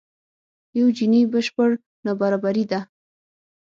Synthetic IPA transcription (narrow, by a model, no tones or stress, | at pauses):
jawd͡ʒinibəʃpəɽ | nabaɾabaɾid̪a